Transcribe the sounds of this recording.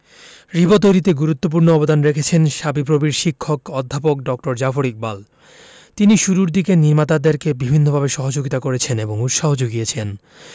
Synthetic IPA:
ɾibot̪̬ojɾit̪eɡuɾut̪ːop̬uɾnoɔbod̪anɾekʰet͡ɕʰenʃabip̬ɾobiɾʃikʰːokɔd̪ʱːapok̚ɖɔk̚ʈoɾd͡ʑafoɾik̚bal | t̪iniʃuɾuɾd̪ikeniɾmat̪ad̪eɾkebibʱinːobʱabeʃɔɦod͡ʑoɡit̪akoɾet͡ɕʰeneboŋut̪ʃaɦod͡ʑoɡiet͡ɕʰen

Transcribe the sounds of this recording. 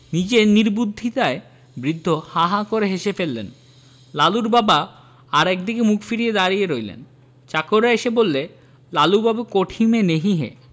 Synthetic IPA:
nid͡ʑeniɾbud̪ʱːit̪ae | bɾid̪ʱːohaɦakoɾeɦeʃefelːḛn | laluɾbaba | aɾɛk̚d̪ikemukʰfiɾied̪aɾijeɾojlḛn | t͡ɕakoɾaeʃebolːe | lalubabekoʈʰimeneɦiɦḛ

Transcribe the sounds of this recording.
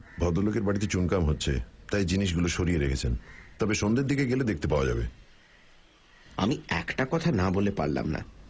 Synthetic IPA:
bʱɔd̪olokeɾbaɽit̪̬et͡ɕunkamɦotːɕʰḛt̪ajd͡ʑiniʃ̬ɡuloʃoɾieɾekʰet͡ɕʰent̪ɔbeʃond̪eɾd̪ikeɡeled̪ek̚ʰt̪epaoad͡ʑa̰bḛ | a̰miɛkʈakɔt̪ʰanabolepa̰ɾla̰mna̰

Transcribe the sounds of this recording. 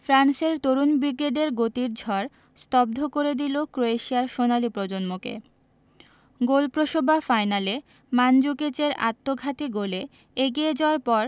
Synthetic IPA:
fɾanseɾt̪oɾunbɾikeɖeɾɡot̪iɾd͡ʑʱɔɾ | st̪ɔb̚d̪ʱokoɾed̪ilokɾoeʃiaɾʃonalipɾod͡ʑonmokḛ | ɡolpɾoʃobʱafajnale | mand͡ʑuket͡ɕeɾa̰t̪ːoɡʱat̪iɡole | eɡied͡ʑaoaɾpɔɾ

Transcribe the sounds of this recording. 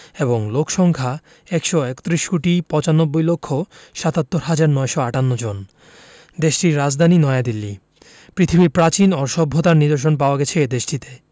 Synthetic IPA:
eboŋlokʃɔŋkʰa | ɛkʃɔekt̪ɾiʃkuʈipɔ̃t͡ɕanobːojlokʰːoʃat̪at̪ːoɾɦad͡ʑaɾnɔeʃoaʈanːod͡ʑon | d̪eʃʈiɾːad͡ʑd̪ʱaninɔead̪ilːi | pɾit̪ʰibiɾpɾat͡ɕinɔɾʃɔbʱːot̪aɾnid̪oɾʃ̬onpaoaɡɛt͡ɕʰed̪eʃʈit̪e̥

